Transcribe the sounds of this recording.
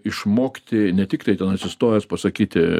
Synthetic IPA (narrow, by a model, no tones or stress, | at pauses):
ɪʃmoːkʲɪt̪ʲɪnʲɛt̪ʲɪkt̪ɐɪt̪ʲɛnɐt̪sʲɪst̪oːjɛspɐsɐkʲiːt̪ʲɪ